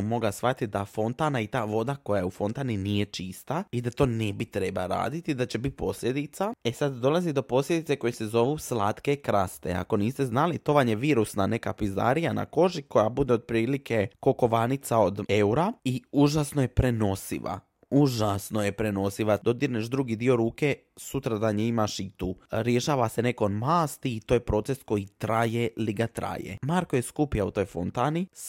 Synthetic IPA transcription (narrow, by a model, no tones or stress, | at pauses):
mo̞ɡasʋat̪id̪afo̞nt̪anait̪aːʋo̞d̪ako̞jajufo̞nt̪aːninije̞t͡ʃist̪aid̪at̪o̞ːnebit̪ɾe̞ba̰ɾa̰ːd̪it̪id̪at͡ɕe̞bit̪̚po̞sʎʲe̞d̪itt̪sae̞sad̪d̪o̞lazid̪o̞po̞sʎʲed̪it̪e̞ko̞jese̞zo̞ʋuslaːt̪ke̞kɾast̪ḛa̰ko̞niːst̪eznalit̪o̞ʋaɲe̞ʋiːɾusnane̞kapiza̰ɾijana̰ko̞ʒiko̞jabud̪e̞od̪̚pɾiːlike̞ko̞ko̞ʋaːnit̪sao̞d̪euɾaiuːʒasnojepɾe̞no̞sḭʋa̰ | uʒasnojepɾe̞no̞siʋad̪o̞d̪iɾneʃd̪ɾuɡid̪io̞ɾuːke | sut̪ɾad̪aneimaʃit̪uːɾjeʃaːʋase̞ne̞kod̪maːst̪iːt̪oːjepɾo̞t̪se̞sko̞jit̪ɾajeliɡat̪ɾa̰ːjḛmaɾko̞je̞skupijaṵt̪o̞jfo̰nt̪aːnis